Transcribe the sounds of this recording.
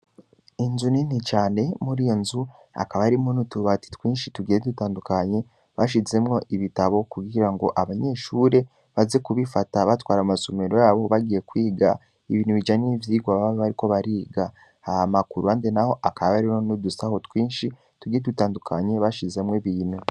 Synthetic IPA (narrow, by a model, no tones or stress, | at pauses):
inzuninit͡ʃaːne̞muɾijonzu | a̰kaβaɾimonutuβati̥twiːnʃituɡiɾedutaːndukaɲe̞ | βaʃ̬ize̞mŋo̞ʔiβitaβo̞kuɡiɾaŋɡo̞ʔaβaɲe̞ʃuːɾe̞ | βaze̞kuβifataβatwaːɾamasomeɾo̞jaβo̞βaɡije̞kwiːɡa | iβiːnuβid͡ʒanivjiːɡwaβaβoβaɾiko̞βaɾiːɡa | ahamakuɾuaːndenaho̞ʔakaβaβaɾimonodusaho̞twiːnʃi | tuɡiedutaːndukʰaɲe̞βaʃize̞mŋeβiːnu